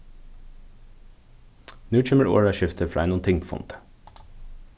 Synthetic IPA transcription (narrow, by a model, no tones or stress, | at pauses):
nʉːt͡ʃʏməɹo̰ːɹɑʃɪft̪ʰəfɹɑːeːnuːnt̪ɪŋpʰɔfɔ̰nt̪ʰə̥